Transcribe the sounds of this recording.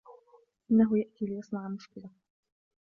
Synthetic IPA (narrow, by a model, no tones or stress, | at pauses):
ʔɪnːaɦʊjaʔt̪iːlɪjɑsˤnɑʕmʊʃkɪla